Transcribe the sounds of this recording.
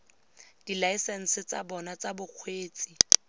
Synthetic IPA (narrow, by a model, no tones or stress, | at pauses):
d̥ilaisɛn̩sɪt͡sa̰bɔnat͡sabʊq͡χʰweːt͡sʼi